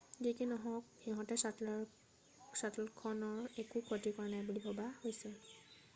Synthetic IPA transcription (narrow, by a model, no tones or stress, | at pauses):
ɡikinɔɦɔ̃k̚hiɦɔ̃tɛs | satlkʰɔnɔɹekukʰotikɔɹanajbulibʱɔbahojsɛ